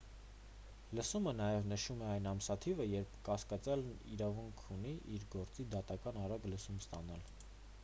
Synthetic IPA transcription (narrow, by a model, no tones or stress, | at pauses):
ləsumənɑjɛvnəʃumɛɑjnɑmsɑt̪ʰivəjɛɾpʰkɑskɑt͡sjɑlniɾɑvuŋkʰuniʔiɾɡɔɾt͡sid̪ɑt̪ɑkɑnɑɾɑɡləsumst̪ɑnɑl